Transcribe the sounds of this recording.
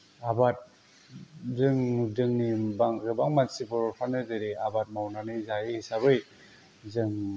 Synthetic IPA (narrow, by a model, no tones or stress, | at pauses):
abat̚ | dɯŋdɯŋnibaŋɾɯbaŋmansibɯɾpʰanɯdɯɾiabat̚mawnanizajisaβɯj | zɯŋ